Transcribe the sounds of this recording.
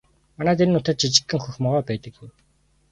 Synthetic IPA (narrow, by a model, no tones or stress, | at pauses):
manæːt̪enːʊt̪ə̆t̪̚t͡ɕʰit͡ɕɪ̥̆kːɘ̆ŋxɵxmɔʁœːpæːt̪ə̆kːuj